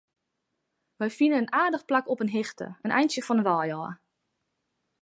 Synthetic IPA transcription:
ʋɛjfinənənaːdəxplakɔpənɦɪxtə̰ənʔɛ̰jnsjəfɔnənʋɔːjɔː

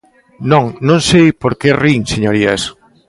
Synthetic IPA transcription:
nõŋnõŋsejpoɾkeriŋseɲoɾias

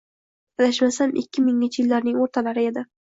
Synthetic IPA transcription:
alaʃmasanʔɪkʲʰːɪmɪŋɪnt͡ʃʰɪjɪlːaɾnɪŋoɾt̪ʰalaɾɪe̞d̪ɪ

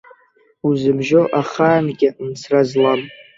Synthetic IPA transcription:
uzɨbʒoʔaχaːnɡʲɪmt͡sʰrazlam

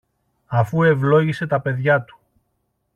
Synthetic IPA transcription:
ɐfue̞vlo̞ʝise̞t̪ɐpe̞ðʝɐt̪u̥

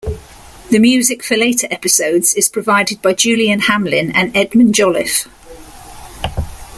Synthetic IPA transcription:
ðəmjʉːzɪkfəleɪtʰəɹʔɛpɪsəʊdz̥ɪz̥pʰɹ̥əvaɪdɪd̚baɪd͡ʒʉːliə̃nhãmlɪ̃nə̃nɛdmə̃nd͡ʒɒlɪf

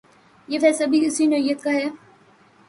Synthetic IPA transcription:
jeːfɛːsɐbʱiʊsinɐɪjət̪̚kaɦɛː

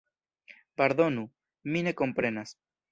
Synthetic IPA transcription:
paɾðo̞nu | mine̞ko̞mpɾe̞nas

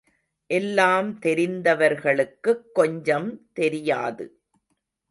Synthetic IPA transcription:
ʔɛlːaːmt̪ɛɾɪnd̪ɐʋɐɾɣɐɭɯkːɯkːɔɲd͡ʒɐmt̪ɛɾɪjaːðɯ̰

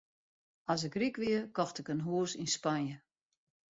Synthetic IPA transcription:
as̬ɪkrikʋɪəkɔxtɪkənɦuəsinspanjə

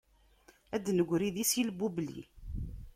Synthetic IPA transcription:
æd̪nəɡʷɾiðisjilbːublḭ

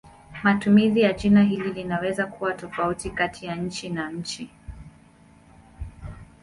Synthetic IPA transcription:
matumizijat͡ʃinaɦililinawɛzakuwatɔfautikatijaɲ̩t͡ʃinaɲ̩t͡ʃi

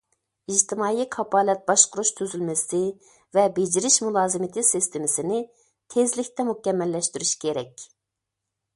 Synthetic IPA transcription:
iʒt̪ʰɪmɑːjiqʰɑpʰɑːlɛt̪̚bɑʃqʊɾuʃt̪ʰyzylmɪsɪ | vɛbed͡ʒiɾɪʃmulˠɑːzɨmɪt̪ʰɪsist̪ʰɪmɪsɪnɪ | t̪ʰezlɪkʲt̪ɛmukʲɛmːɛlːɛʃt̪yɾyʃkʲʰeɾɛkʲ

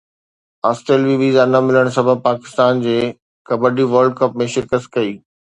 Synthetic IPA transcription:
aːsʈeːlʋiʋiːzaɐnəmɪləɽ̃sɐbʱəbpaːkɪ̥st̪aːnd͡ʑeː | kɐbəɖiʋəɾlɖkɐpmẽʃɪɾkəs̚kɐiː

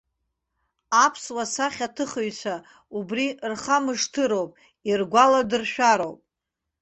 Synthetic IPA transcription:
apʰswasaχʲatʰɨχɨɥt͡sʷʰa | ubrirχamɨʂtʰɨɾowpʼ | irɡʷaladɨrʃᶣaɾowpʼ

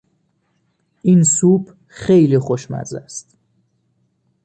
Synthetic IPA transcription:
ʔinsuːb̥ | xejlixoʃmæ̰ɾzæ̰st̪

